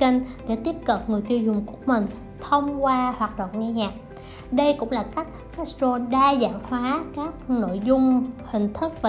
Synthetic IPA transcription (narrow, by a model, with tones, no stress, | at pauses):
kə˧nɗḛ˧˥t̪i˦˥əp̚kə˨˩p̚ŋɨ˨˩əjt̪i˧wzʊ˨˩ŋ͡mkʊ˨˧˩əmï˨˩ŋ̟ | t̪ʰə˧wŋ͡mkwaː˧hwaː˨˩t̚ɗwa̰ː˧˨nɲa˧ɲaː˨˩k̚ | ɗə˧jkʊ̰˧˥ŋ͡mlaː˨˩ka˦˥k̟̚ka˦˥so˧ɗaː˧za̰ː˧˨ŋhwaː˨˦kaː˦˥k̚no̰˧˨jzʊ˧ŋ͡mhï˨˩ŋ̟t̪ʰɨ˦˥k̚vaː˨